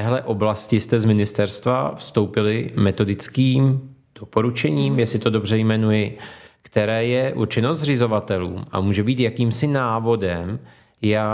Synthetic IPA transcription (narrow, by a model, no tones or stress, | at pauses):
t̪ɛɦlɛʔo̞blascɪst̪ɛzmɪnɪst̪ɛɾst̪va̰fst̪o̞wpɪlɪmɛt̪o̞dɪt͡skiːm | d̥o̞po̞ɾut͡ʃɛɲiːmjɛsɪt̪o̞do̞brɛjmɛnujɪkt̪ɛɾɛːjɛʔṵɾt͡ʃɪnozrɪzo̞vat̪ɛlṵːma̰muːʒɛbiːt̪jakiːmsɪnaːvo̞dɛm | ja